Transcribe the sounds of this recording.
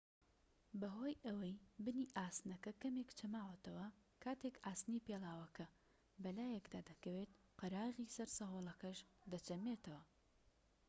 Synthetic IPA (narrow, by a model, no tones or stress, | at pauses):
bɐɦo̞ːjʔɐwɐjbɨniːʔaːsnɐkɐkɐmeːkt͡ʃʰɐmaːwɐt̪ɐwɐ | kʰaːt̪eːkaːst̪niːpeːlaːwɐkɐ | bɐlaːjɛkd̪aːd̪ɐkɐweːt̪ | qɨɾaːʁiːsɐɾsɐɦoːlˠɐkɐʃd̪ɐt͡ʃɐmeːt̪ʰɐwɐ